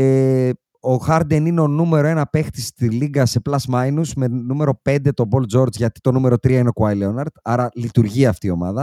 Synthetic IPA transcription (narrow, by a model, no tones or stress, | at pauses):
e | o̞xɐɾd̪enineo̞nume̞ɾo̞e̞nɐpe̞xt̪ist̪iliɡɐse̞plɐsmɐjnuzme̞nume̞ɾo̞pe̞nd̪e̞t̪o̞bo̞ld͡zo̞ɾd͡zʝɐt̪i̥t̪o̞nume̞ɾo̞t̪ɾiɐineokuɐjleonɐɾd̪̥ɐɾɐlit̪uɾʝiɐːft̪iːo̞mɐðɐ